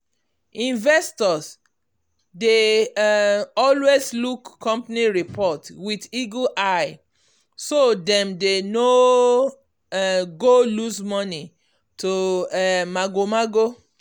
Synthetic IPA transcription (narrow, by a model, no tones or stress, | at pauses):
ĩnvɛstɔs | de | ɔlwezlukʰːɔ̃mpniɹipʰɔtwidiɡoʔaɪ | sodɛ̃mdeno | ɡolusmɔni | to | maɡomaɡo